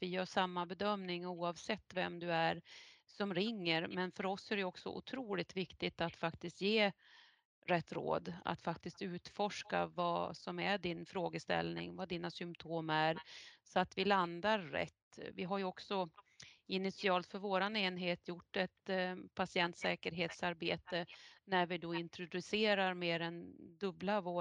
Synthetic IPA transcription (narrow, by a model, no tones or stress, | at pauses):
vɪjœːʂamːabɛd̪œmnɪŋuːɑvsɛt̪ːvɛmd̪ɵæɾsɔmɾɪŋːəɾmɛnfœɾɔsæɾɛjɔksɔ̰ʔʊ̰t̪ʰɾuːlɪt̪vɪkt̪ɪt̪at̪fakt̪ɪst̪jeː | ɾɛt̪ːɾo̰ːd̪a̰t̪fakt̪ɪst̪ʉ̟ːt̪fɔʂka̰va̰sɔmæɖɪnfɾoːɡəst̪ɛ̰lnɪ̰ŋvad̪iːnasʏmpt̪ʰoːmæɾsɔat̪vɪland̪aɾːɛ̰t̪ːvɪɦaɾjɵɔksɔ | ɪnɪt̪sɪɑːlt̪fœɾvoːɾaneːnɦeːt̪ʰjʊʈːɛt̪pʰasɪɛnt̪sɛːkəɾɦeːt̪saɾbeːt̪ənæɾvɪd̪oɪnt̪ɾʊd̪ɵseːɾaɾmeːɾɛnd̪ɵblavoː